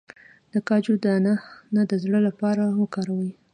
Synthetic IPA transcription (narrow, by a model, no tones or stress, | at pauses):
d̪̥əkɑd͡ʒod̪əananad̪əzɽəlapɑɾawəkɑɾawi